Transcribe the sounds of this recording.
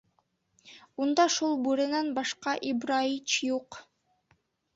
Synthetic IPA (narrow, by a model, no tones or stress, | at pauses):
und̪ɑʃulˠbuɾɤ̆nɑnbɑʃqɑʔibɾait͡ʃjuq